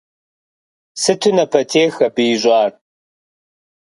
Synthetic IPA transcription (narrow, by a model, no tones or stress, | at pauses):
sɨtʰunɐpʰɐtʰeːxɐbɨjɪʑʷʼɑːr